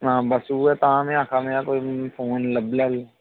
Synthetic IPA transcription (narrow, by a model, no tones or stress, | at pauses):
ɦãːbəsuːɛt̪aãmẽãːkʰamẽakoːipʰoːnləbləl